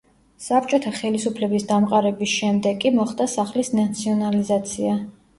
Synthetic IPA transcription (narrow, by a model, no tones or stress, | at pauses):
sap̚ʰt͡ʃʼɔt̪ʰaχɛlisupʰlɛbisd̪amqʼaɾɛbisʃɛmd̪ɛɡʼimɔχd̪asaχlisnat̪sʰiɔnalizat̪sʰia